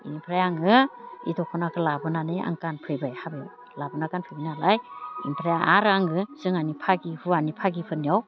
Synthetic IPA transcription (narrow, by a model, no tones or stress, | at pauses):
impʰɾajaŋɯḭdɔkʰɔnakʰɯlabɯnanɯʔa̰ŋkanpʰɯjbajhabe | labɯnakanpʰɯjbinalajḭmpʰɾajaʔaɾaŋɯsɯŋanipʰaɡihuanipʰaɡipʰɯniaw